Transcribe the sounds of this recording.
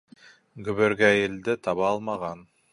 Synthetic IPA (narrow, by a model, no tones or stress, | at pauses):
ɡɵ̆βɵ̆ɾɡæɘ̆ld̪ɘt̪ʰɑβɑɑlˠmɑʁɑn